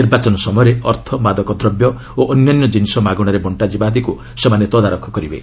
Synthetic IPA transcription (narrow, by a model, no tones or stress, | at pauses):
iɾbat͡ʃɔnɔsɔmɔɔɾeɔɾt̪ʰɔmad̪ɔkɔd̪ɾɔbjɔ | oʔɔnjanjɔd͡ʒinisɔmaɡɔɽ̃ɔɾebɔɳʈad͡ʒibad̪iku | semanet̪ɔd̪aɾɔkʰːɔkɔɾibḛ